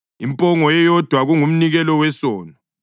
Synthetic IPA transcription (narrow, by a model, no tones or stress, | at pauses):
impʼɔŋɔjɛjɔd̥ʱwaɣuŋum̩niɣɛlɔwɛsɔːnɔ